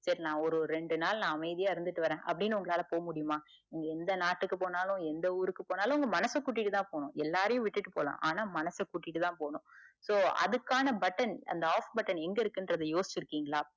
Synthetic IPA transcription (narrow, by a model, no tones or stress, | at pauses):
sɐɾɪnãːɔɾɯɾɛɳɖɯnaːlnãːɐmɐɪðɪjaːɪɾɯnd̪ɯʈːɯʋɐɾẽːʔɐ̰pːɐɽɪnːɯʊŋɡɐɭaːlɐpoːɐmʊɽɪjɯmaː | ɛŋɡɐɛnd̪ɐnaːʈːɯkːɯpoːnaːlʊ̃ɛnd̪ɐuːɾɯkːɯpoːnaːlʊ̃ʊŋɡɐmɐnɐsɐkːuːʈ̬ːɪʈːɯt̪ãːpoːɳʊ̃ɛlːaːɾɐjʊ̃ʋɪʈːɯʈːɯpo̰ːlã̰ːʔaːnaːmɐnɐsɐkuːʈːɪʈːɯt̪ãːpoːɳʊ̃soːɐ̰ðɯkːaːnɐbɐʈːɐnɐ̰nd̪ɐaːfbɐʈːɐnɛŋɡɐɪɾɯkːɯndɾɐðɯjoːsɪ̥t͡ʃːɪɾɯkːiːŋɡɐɭaː